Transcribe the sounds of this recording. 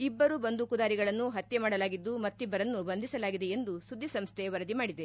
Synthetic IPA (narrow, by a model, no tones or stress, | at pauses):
ibːɐɾubɐnd̪ukud̪aːɾiɡɐɭɐnːuɦɐt̪jemaːɽɐlaːɡid̪ːumɐt̪ːibːɐɾɐnːubɐnd̪isɐlaːɡid̪e̞end̪usud̪ʱːisɐmst̪ʰeʋɐɾɐd̪imaːɽid̪e